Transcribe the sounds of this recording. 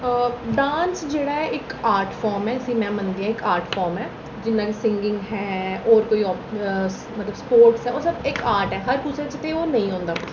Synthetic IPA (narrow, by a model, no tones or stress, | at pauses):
ɖaːnsd͡ʒeːɽaːɛʔɪkaːɾʈfʰɔːɾmɛːəsĩːmɛ̃ːmənd̪iːɦãːɪkaːɾʈfʰɔːɾmɛː | d͡ʒɪnːãːkesɪ̃ŋɡɪ̃ŋɡɦɛːɔːɾkoːiːɔː | mət̪ləbspoːɾʈsɦɛːoːsəbɪkaːɾʈɦɛːɦəɾpuːsẽt͡ʃt̪eoːnəĩːɦõːnd̪aː